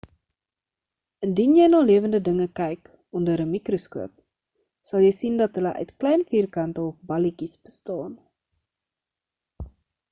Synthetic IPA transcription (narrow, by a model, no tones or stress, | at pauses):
əndinjɛjnɑːliəvəndədəŋəkɛjk | ɔndəɾəmikroskuəp̚ | sɐlˠjəjsindɐtɦələʔœ̰ɥtklɛjnfiːrkɐntəɔfbɐlikisb̥əstɑːn